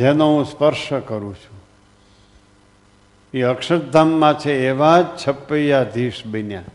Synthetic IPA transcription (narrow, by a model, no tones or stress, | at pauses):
d͡ʒenõɦũspəɾʃəkəɾũt͡ʃʰũ | iəkʃəʈd̪ʱamːãt͡ʃʰeːʋad͡ʒt͡ʃʰəpːəjad̪ʱiʃbinjã